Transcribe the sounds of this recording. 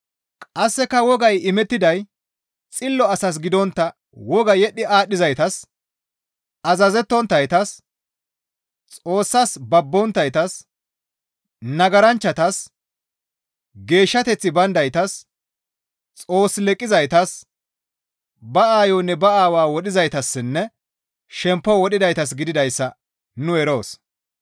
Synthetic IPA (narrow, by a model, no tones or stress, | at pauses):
kʼɐsːɛkɐwɔɡɐjɪmɛt̪ːɪd̪ɐj | t͡sʼɪlːɔɐsɐs̬ɡɪd̪ɔnt̪ːɐ | wɔɡɐjɛɗːɪaːɗːɪzɐjt̪ɐs | ɐzɐzɛt̪ːɔnt̪ːɐjt̪ɐs | t͡sʼo̞ːsːɐsbɐbːɔnt̪ːɐjt̪ɐs | nɐɡɐɾɐnt͡ʃːɐt̪ɐs | ɡe̞ːʃːɐt̪ɛt͡sːɪbɐnd̪ɐjt̪ɐs | t͡sʼo̞ːsːlɛkʼːɪzɐjt̪ɐs | bɐaːjoːnːɛbɐaːwaːwɔɗɪzɐjt̪ɐsːɪnːɛ | ʃɛmpːɔwɔɗɪd̪ɐjt̪ɐs̬ɡɪd̪ɪd̪ɐjsːɐ | nʊɛɾo̞ːs